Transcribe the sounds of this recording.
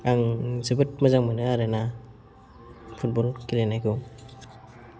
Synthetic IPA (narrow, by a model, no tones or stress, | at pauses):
aŋzɯbɯt̚mazaŋmɯnɯaɾena | pʰut̚bɔlkilenajkʰɯ